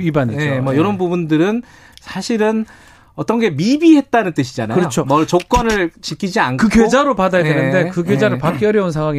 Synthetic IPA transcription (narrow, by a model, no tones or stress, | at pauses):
ibaneemʌjʌɾʌnbubundɯɾɯn | sʰaɕʰiɾɯn | ʌt͈ʌnɡe̞mibiɦe̞t̚t͈anɯnt͈ɯɕʰid͡ʑanaɯɾʌot͡ɕʰommʌɭt͡ɕok̚k͈wʌnɯɭt͡ɕikʰid͡ʑiankkɯkjed͡ʑaɾopadajadenɯnde̞kɯkɡjed͡ʑaɾɯɭpak͈jʌɾjʌunsʰaŋwaŋi